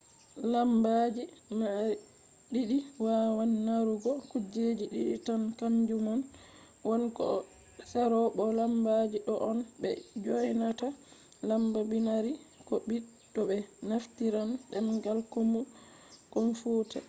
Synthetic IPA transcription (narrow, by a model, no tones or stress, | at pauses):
lambad͡ʒima | ɗiɗiwawanːaɾuɡɔkud͡ʒed͡ʒiɗiɗḭtankamd͡ʒumɔn | wɔnkɔ̰ | saɾɔɓɔlambad͡ʒiɗɔʔɔnbɛ̰d͡ʒojnata | lambabinaɾi | kɔbi | dɔbɛnaftiɾanɗɛmɡalkomu | kɔnfuta